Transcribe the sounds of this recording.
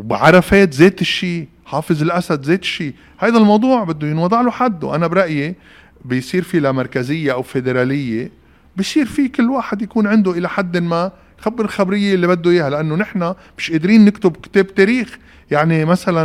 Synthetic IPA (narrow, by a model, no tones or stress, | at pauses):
wbʕɑɾˤɑfeːt̪zeːt̪ɪʃːiː | ħɑːfɨzɪlʔasad̪zeːt̪ɪ̥ʃːiː | hajd̪almɑwd̪ˤuːʕbɪd̪ːujɪnwɑd̪ˤɑʕloħad̪ːṵʔanabɾˤɑʔje | bɪjsˤiːɾfilamɑɾˤkazɪjːeʔawfed̪eɾaːlɪjːe | bijsˤiːɾfikɪlːwaːħɪd̪jakuːnʕɪnd̪oʔɪlaħad̪ːɪnma | xabːɪɾɪlxabɾɪjːeɪlːibad̪ːujiːhalʔanːonɪħna | mɪʃʔeːd̪ɾiːnːɪkt̪ʊbkɪ̥t̪eːb̚t̪eːɾiːx | jaʕnimasala